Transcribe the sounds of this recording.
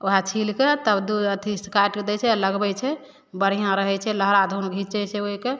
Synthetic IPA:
oɦat͡ʃʰilket̪əbd̪uət̪ʰiskaʈked̪ɛt͡ʃʰɛləɡbɛt͡ʃʰɛ | bəɽ̤ijãɾəɦɛt͡ʃʰɛləɦɾad̪ʱunɡʱit͡ʃɛseoɦike

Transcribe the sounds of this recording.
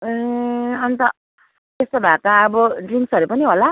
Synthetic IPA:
ʌnt̪ʌ | t̪est̪obʱakaʌbʌɖriŋksʌɾupʌniɦola

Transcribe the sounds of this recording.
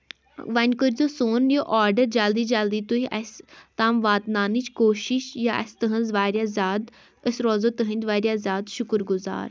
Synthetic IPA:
ʋɐnʲkəɾʲd͡zosoːnjəʔaːɾɖəɾd͡ʒald̪iːd͡ʒald̪iːt̪uɦiʔɐ̰st̪aːmʋaːt̪naːnit͡ʃkoːʃiʃjaʔɐ̰st̪əɦə̃nzʋaːɾjazaːd̪ | əsɾɔːzot̪əɦə̃nʲt̪ʋaːɾjazaːd̪ʃukɾɡuza̰ːɾ

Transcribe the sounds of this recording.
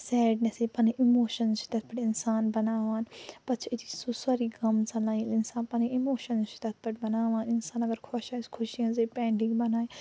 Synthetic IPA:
sɛːɖneseːpɐniːʔɪmoːʃənzt͡ʃi̥t̪ɐt̪̚pɐʈɪnsaːnbɐnaːʋaːnpɐt͡ʃʰid͡ʒisusaɾiːɡɐmsalãːĩlɪnsaːnpaniɪmoːʃənzt͡ʃi̥t̪ɐt̪̚ʰpɐʈbɐnaːʋaːnɪnsaːnɐɡəɾkʰɔʃaːskʰʊʃijãːzeːpɛ̃ːɳɖɪ̃ŋɡbɐnaːi

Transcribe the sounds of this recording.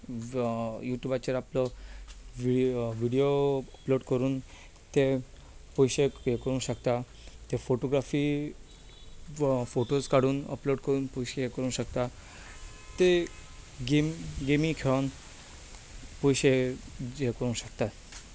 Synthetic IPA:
juʈjubat͡ɕeɾaplɔ | iʋiɽijoəploɽkəɾuːn | t̪e | pojɕekekəɾũːnɕəkt̪a | t̪efoʈoɡɾafi | foʈoskaɽuːnə̰ploɽkəɾuːnpojɕekəɾuːnɕəkt̪a | t̪e | ɡemɡemĩkʰeɭan | pojɕe | ekəɾũːnɕəkt̪at̪

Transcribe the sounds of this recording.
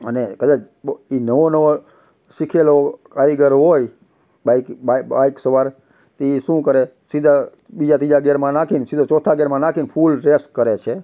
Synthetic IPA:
ənekəd̪at͡ʃ | inəʋonəʋo | ʃikʰelokaɾiɡəɾɦoj | baikbaaiksəʋaɾ | t̪iʃũkəɾe | sid̪ʱa | bid͡ʒat̪id͡ʒaɡeɾmãnakʰinsid̪ʱot͡ʃɔt̪ʰaɡeɾmãnakʰinpʰulɾeskːəɾet͡ʃʰe

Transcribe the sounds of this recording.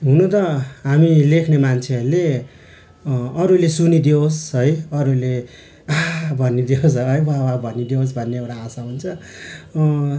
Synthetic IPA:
ɦunot̪ʌɦamilekʰnemant͡sʰeʌɾule | ʌɾulesunid̪iosɦʌjʌɾule | abʱʌnːid̪ios̬ʌjwawabʱʌnid̪ios̬bʱʌnːeʌwɾaːsaɦunt͡sʰʌ

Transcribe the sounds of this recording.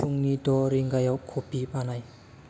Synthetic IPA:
uŋnidɔɾiŋɡajawkʰːopipanaj

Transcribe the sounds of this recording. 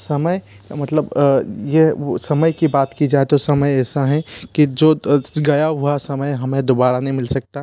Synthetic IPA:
sɐməj | mɐt̪ləbjesɐməjkibaːt̪kid͡ʒaːet̪osɐməjɛːsaɦɛ̃kid͡ʒoːɡɐjaɦuasɐməjɦɐmẽd̪oːbaːɾanɐɦĩmɪlsɐk̚t̪aɦɛ

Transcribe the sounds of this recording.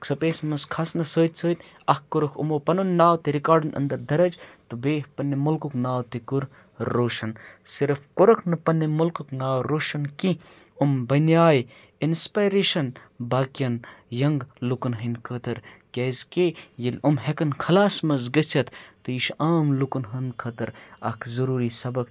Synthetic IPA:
ksɐpeːsmɐzkʰɐsnɐsəːt̪ʲsəːt̪ʲ | ɐhkoɾɐkʰṵmoːpɐnunːaːwt̪iɾikaːɾɖɐnʔɐ̰nd̪ɐɾd̪ɐɾɐd͡ʒt̪ɨbeːhpɐnːimulkuknaːwt̪ikuɾ | ɾoːʃɐnsiɾfkoɾɐkʰnɨpɐnːimulkuknaːwɾoːʃɐnki | umbɐnjaːj | inspaːjɾeːʃɐn | baːkijɐnjɐŋɡlukɐnɦɐnd̪kʰəːt̪ɐɾkʲeːzkejɐlʲumɦekɐnkʰɐlaːsmɐzɡɐsʲɐt̪ʰt̪ɨiʃaːmlukunɦɐnd̪kʰɐt̪ɐɾɐkʰzɐɾuːɾisɐbɐk

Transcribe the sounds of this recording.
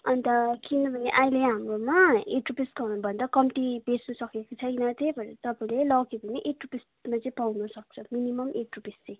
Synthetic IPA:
ʌnt̪ʌkinːʌbʱʌneʔaĩleɦamromaeʈrupiskʌnbʱʌnd̪akʌmʈibesnusʌkekot͡sʰʌjnʌt̪ejbʌɾet̪ʌpaĩlelʌkibʱʌneʔeʈrupis | mat͡sʌĩpawnʌsʌk̚t͡sʰʌminimʌmʔeʈrupist͡sʌ̃j̃

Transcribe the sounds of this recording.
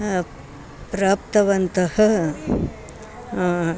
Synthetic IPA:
pɾaːp̚t̪ɐʋɐnt̪ɐhɐ̆

